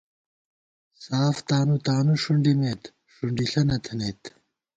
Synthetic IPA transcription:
saːft̪aːnut̪aːnuʂuɳɖimeːt̪ | ʂuɳɖiɬɐnɐt̪ʰɐneːt̪

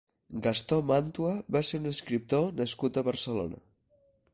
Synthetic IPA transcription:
ɡast̪omant̪uəβaseɾunəskɾip̚t̪onəskut̪əβəɾsəlo̰nə̰

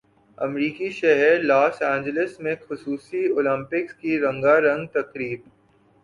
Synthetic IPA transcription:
ɐ̰mɾiːkiʃɛɦɛɾlaːsɛ̃ːɲd͡ʒələsmẽxʊsuːsioːlɪ̃mpɪkskiɾɐ̃ŋɡaɾɐ̃ŋɡt̪ɐkɾiːb̚

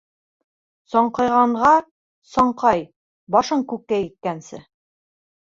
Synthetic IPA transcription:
sɒɴqɤ̆jʁɑɴʁɑ | sɒɴqɑj | bɒʃɤɴkʉkːæjit̪̚kænsɘ̰

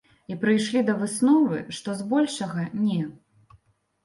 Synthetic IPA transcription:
ipɾɨjʂlʲid̪ɐvɨsnɔvɨ̰ʂt̪ɔzbɔlʲʂɐɣɐnʲɛ

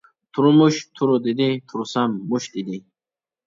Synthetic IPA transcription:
t̪ʰuɾumuɕt̪ʰuɾod̪id̪it̪ʰuɾusamːuɕd̪id̪i

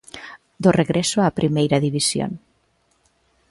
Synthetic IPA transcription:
d̪oreɣɾesoapɾimejɾaðiβisjo̰n

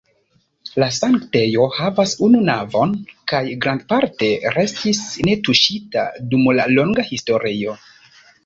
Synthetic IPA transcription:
lasaŋkte̞jo̞havasununavo̞nkajɡɾand̚paɾte̞ɾe̞stisne̞tuʃita̰dumla̰lo̞ŋɡahisto̞ɾio̞

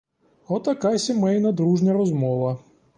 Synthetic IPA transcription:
ɔt̪ɐkasʲɪmɛjnɐd̪ɾuʐnʲɐɾɔzmɔʋɐ

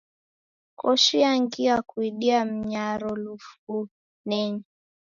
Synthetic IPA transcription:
kɔʃiaŋɡiakuiɗiam̩ɲaɾɔlufu | nɛɲɛ

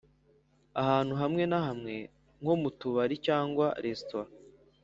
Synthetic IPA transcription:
ahaːn̥huɦamŋe̞naɦamŋe̞ | ŋho̞mutuβaɾicaːŋɡwaɾestoa

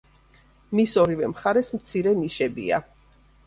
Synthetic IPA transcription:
misɔɾivɛmχaɾɛsmt̪sʰiɾɛniʃɛbḭa̰

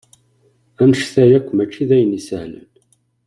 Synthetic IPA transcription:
ænʃθæjækʷːmæt͡ʃːiðæjənisəhlə̰n

